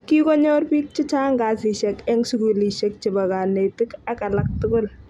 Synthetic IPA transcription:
ki˦kɔ˦ɲɔ˦rpiː˦k̚t͡ʃɪ˦t͡ʃaː˦ŋɡa˨si˨ʃɛ˨kɛ˦ŋsʊ˨ku˨li˨ʃɛ˦k̚t͡ʃɪ˨ba˨ka˨ne˨tɪ˦ka˦ka˨la˦k̚tʊkʊ˦l

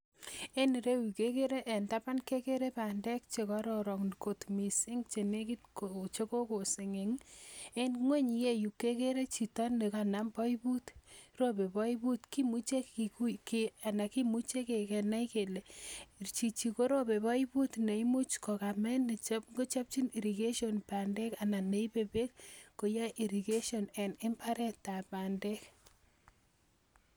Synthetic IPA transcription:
e˦n˨ɾe˦wi˨ke˦ke˦ɾe˦ʔe˨nta˦pa˦nke˦ke˦ɾe˦pa˨ndɛ˦k̚t͡ʃe˨kɔ˦ɾɔ˨ɾɔ˨ŋko˨tmi˨si˦ŋt͡ʃe˨ne˦ki˦tko˨t͡ʃe˦ko˦ko˨se˨ŋe˨ŋe˦nŋwe˦ɲi˨je˦ju˨kːe˦ke˦ɾe˦t͡ʃi˨tɔ˦ne˨ka˨na˦mpɔ˦i˦bu˦tro˦be˨bɔ˦i˦bu˦tki˦mu˦t͡ʃe˦kikuke˨a˨na˨ki˦mu˦t͡ʃe˦ke˨kɛ˨na˦jke˨le˨rt͡ʃi˨t͡ʃi˨ko˦ɾo˦be˨bɔ˦i˦bu˦tne˨i˦mu˦t͡ʃkɔ˨ka˨mɛ˦nːɪ˨t͡ʃa˦pŋɡo˦t͡ʃa˦p̚t͡ʃi˦ni˨ɾi˨ke˦ʃjonpa˨nde˦ka˨na˨ne˨˦jpe˦be˦kko˨ja˦ʔi˨ɾi˨ke˦ʃo˨ne˨nɪ˦mpa˦ɾɛ˦ta˨pa˨nde˦k

